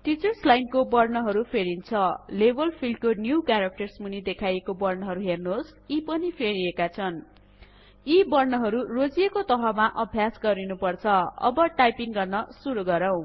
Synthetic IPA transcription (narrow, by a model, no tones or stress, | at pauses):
ʈit͡sʌrslajnkobʌrnʌɦʌɾupʰeɾint͡sʰʌlebʌlpʰilɖ̚konjukjaɾak̚ʈʌrsmunid̪ekʰajekobʌrnʌɦʌɾuɦernos | ipʌnipʰeɾiekat͡sʰʌn | ibʌrnʌɦʌɾurod͡zijekot̪ʌɦʌmaʔʌbʱjasɡʌɾinupʌrt͡sʰʌʌ̰bʌʈajpiŋɡʌrnʌsuɾuɡʌɾʌw̃